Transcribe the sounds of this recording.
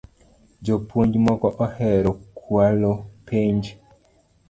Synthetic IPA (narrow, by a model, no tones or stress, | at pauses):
d͡ʒopuɲd͡ʒmɔkɔʔɔhɛɾɔkʰwalopʰeɲd͡ʒ